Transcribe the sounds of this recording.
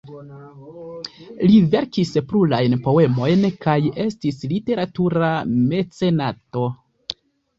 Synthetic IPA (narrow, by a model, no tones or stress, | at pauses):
live̞ɾkispɾulajnpo̞e̞mo̞jnkaje̞stislite̞ɾatuɾame̞t͡se̞nato̞